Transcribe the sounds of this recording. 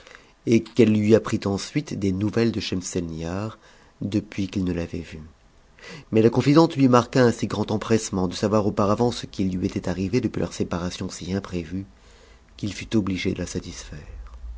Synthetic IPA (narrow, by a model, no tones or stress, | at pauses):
ekɛlːɥiapχit̪ɑ̃sɥit̪d̪enuvɛld̪əʃɛmsɛlnjaʁ | d̪əpɥikilnəlavɛ̰vy | mɛlakɔ̃fid̪ɑ̃t̪lɥimaʁkaɛ̃siɡʁɑ̃t̪ɑ̃pχɛsmɑ̃d̪əsavwaʁopaʁavɑ̃sə̥kilːɥiet̪ɛt̪aʁived̪əpɥilʔœ̰ʁsepaʁasjɔ̃siɛ̃pχevy | kilfyt̪ɔbliʒed̪ə̰lasat̪isfɛːʁ